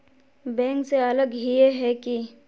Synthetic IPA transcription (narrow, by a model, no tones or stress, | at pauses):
bɛ̃ːŋkseələɡɦieɦɛki